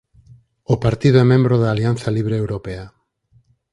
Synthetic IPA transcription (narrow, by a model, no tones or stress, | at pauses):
opaɾt̪iðoɛmẽmbɾoðaːlian̟θaliβ̞ɾeːwɾopea